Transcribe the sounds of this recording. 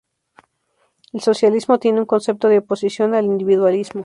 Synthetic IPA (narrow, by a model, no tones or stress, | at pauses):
elso̞sjalizmo̞t̪je̞neuŋko̞nse̞p̚t̪o̞ðeopo̞sisjo̞nalind̪iβiðwalizmo